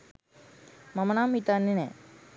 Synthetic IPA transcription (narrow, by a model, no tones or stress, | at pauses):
mɐmɐnaːmit̪anːenɛː